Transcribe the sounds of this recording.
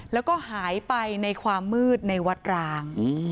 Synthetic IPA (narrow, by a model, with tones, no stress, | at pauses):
lɛː˦˥wkɔː˥˩ɦaː˩˦jpa˧jna˧jkʰwaː˧mːɯː˥˩t̪̚na˧jwa˦˥t̪̚ɾaː˧ŋː˧